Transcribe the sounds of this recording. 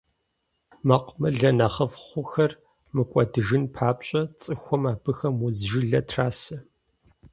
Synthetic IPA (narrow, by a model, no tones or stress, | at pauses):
mɐqʷmɐɮɐnɐχɐfχʷʊxɐr | mɨkʷʼɔdɨʒɨnpʰaːpɕʼɐt͡sʼɨxʷɔmaːbɨxɐmʊzʒɪɮɐtʰraːsɐ